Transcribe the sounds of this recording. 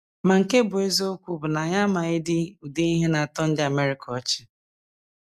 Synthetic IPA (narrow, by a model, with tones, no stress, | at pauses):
ma˨ŋ̩˨ke˦bʊ˨e˦zo˦kʷu˦bʊ˨na˨ɲa˦ma˨ɪ˦dɪ˦u˨de˦i˦ɦe˦na˨a˨tɔ˦n̩˦dɪ˦a˨me˦ɾi˨kʰɔ˨˦t͡ʃɪ̥˦